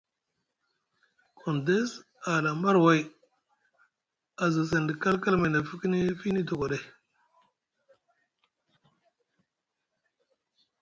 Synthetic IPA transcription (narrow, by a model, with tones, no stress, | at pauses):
kʰo˨nde˦s | a˨la˨ma˦ɾwa˦j | a˨za˨s̬e˨ndi˨ka˦lka˦lma˨na˨fi˦ki˦ni˦fi˦ni˦to˨kʷa˨ɗe˦